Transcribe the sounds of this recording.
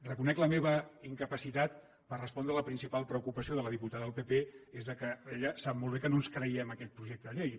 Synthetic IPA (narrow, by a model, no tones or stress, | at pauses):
rəkunɛkləmeβəiŋkəpəsit̪at̪̚ | pərrəspɔnd̪ɾələpɾinsipalˠpɾəukupəsioðələðiput̪aðəðəlˠpepeezðəkəeʎəsap̚molˠβekənonskɾəiɛməkɛt̪̚pɾuʒek̚t̪əðʎej